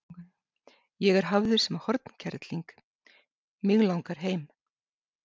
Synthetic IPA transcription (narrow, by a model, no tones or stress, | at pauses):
jɛɣɛɾ̥ɦavðʏɾ̥sɛmahɔɾt̪n̥cʰɛɾt̪liŋk | miɣlawŋkaɾ̥ɦeːjm